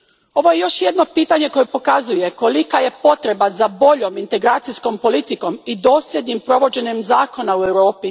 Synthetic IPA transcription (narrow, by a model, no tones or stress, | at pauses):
o̞ʋo̞je̞jo̞ʃjed̪no̞piːt̪aɲe̞ko̞jepo̞kazuje̞ko̞likaje̞po̞t̪ɾe̞bazabo̞ʎo̞mint̪e̞ɡɾaːt̪sisko̞mpo̞lit̪iko̞mid̪o̞ːsʎʲe̞d̪nɲimpɾo̞ʋo̞d͡ʑe̞ɲe̞mzaːko̞naue̞wɾo̞ːpi